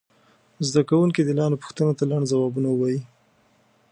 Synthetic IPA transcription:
zd̪akawuŋkid̪əlɑnopu̥xt̪ənot̪alaɳɖzawɑbunawəwɑji

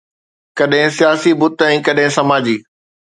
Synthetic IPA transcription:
kɐɗɦɪ̃sijaːsibʊt̪ɛ̃ːkɐɗɦɪ̃sɐmaːd͡ʑiː

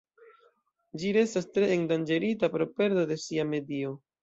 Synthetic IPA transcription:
d͡ʒiɾe̞stastɾe̞ːŋdand͡ʒe̞ɾitapɾo̞pe̞ɾdode̞siame̞dio

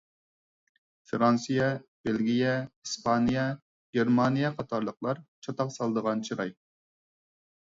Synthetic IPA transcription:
fɾɑnsɨjɛb̥elɡʲijɛispʰɑnijɛ | ɡʲeɾmɑnijɛqʰɑt̪ʰɑɾlˠəqlˠɑɾt͡ʃʰɑt̪ɑqsɑlˠəd̪əʁɑnt͡ʃʰiɾɑj

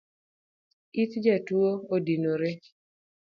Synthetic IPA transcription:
it̪d͡ʒatwoodinoɾe

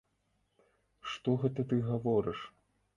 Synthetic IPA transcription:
ʂt̪ɔɣɛt̪ɐt̪ɨɣavɔɾɨʂ

